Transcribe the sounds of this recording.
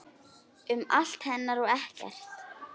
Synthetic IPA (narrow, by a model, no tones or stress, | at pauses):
ʏmal̥t̪hɛnːaɾɔɣɛhcɛ̰r̥t̪